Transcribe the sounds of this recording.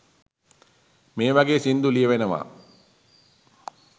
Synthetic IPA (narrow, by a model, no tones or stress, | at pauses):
meːʋaɡeːsind̪ulijəʋenəʋa̰ː